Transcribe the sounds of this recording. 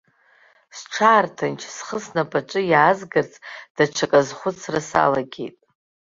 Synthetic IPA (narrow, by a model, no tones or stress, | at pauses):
sʈ͡ʂʰaːrtʰant͡ʃʰsχəsnapʼaʈ͡ʂʼɨjaːzɡɨrt͡sʼd̥aʈ͡ʂʷʰakʼazχʷʊt͡sʰrasa̰laɡʲḛjtʼ